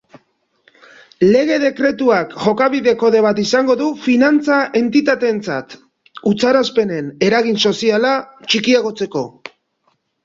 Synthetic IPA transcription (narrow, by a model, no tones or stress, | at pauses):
le̞ɣ̞e̞ð̞e̞kɾe̞t̪uakʝo̞kaβ̞iðe̞ko̞ðe̞β̞at̪isaŋɡo̞ðufinant͡saʔe̞nt̪it̪at̪e̞ːnt͡sa̰t̪ | ut͡saɾaspe̞ne̞ne̞ɾaɣ̞inso̞sialat͡ʃikiaɣ̞o̞t͡se̞ko̞